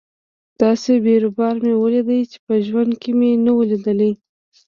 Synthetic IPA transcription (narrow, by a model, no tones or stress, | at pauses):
d̪̥ɑsebeɾʊbɑɾmewəlid̪əjt͡ʃe̥pəʒwand̪kemenawəlid̪əlij